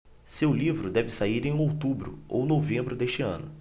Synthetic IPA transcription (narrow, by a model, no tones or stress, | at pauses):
sewlivɾʊd̪ɛvɪsaiɾẽj̃owt̪ubɾʊ̰o̰wnovẽmbɾʊd̪eʃt͡ʃɪɐ̰̃nʊ